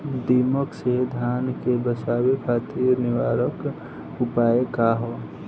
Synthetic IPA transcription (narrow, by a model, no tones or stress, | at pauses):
d̪iməksed̪ʱjaːnkebəsaːwekʰaːt̪iɾnɪwaːɾək | ʊpaːekaɦoː